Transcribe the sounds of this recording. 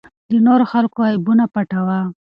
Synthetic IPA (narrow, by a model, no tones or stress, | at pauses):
d̪ənoɾoxalkoaibunapaʈawa